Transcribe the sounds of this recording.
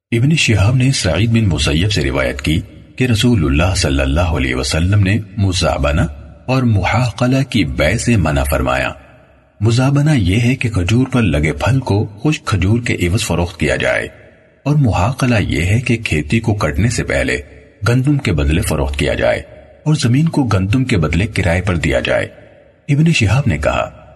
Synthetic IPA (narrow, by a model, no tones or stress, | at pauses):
ɪbneʃɪɦaːbnesɐʕiːd̪̚bɪnmʊsəjːəbseɾɪ̰ʋa̰ːjə̰t̪ki | keɾɐsuːlʊlːaːɦsɐlːə̰lːaːɦoɐ̰lɛ̰ːɦʋɐsɐlːəmnemʊza̰ːbənaɔːɾmʊhaːqəlakibɛːsemɐna̰fɐɾma̰ːja̰ː | mʊzaːbənajeɦɛkekʰɐd͡ʒuːɾpɐɾlɐɡepʰɐlkoxʊʃkʰɐd͡ʒuːɾkeʔɪʋəzfɐɾoːxt̪kija̰d͡ʒa̰ːḛː | ɔːɾmʊɦaːqəlajḛɦɛkekʰeːt̪ikokɐʈnesepɛ̰ɦlḛ | ɡɐ̃nd̪ʊmkebɐd̪lefɐɾo̰ːxt̪kija̰d͡ʒa̰ːḛː | ɔːɾzɐmĩːnkoɡɐ̃nd̪ʊmkebɐd̪lekɪɾʔaːepɐɾd̪ija̰d͡ʒa̰ːḛː | ɪbneʃɐɦaːbnekɐ̰ɦa̰ː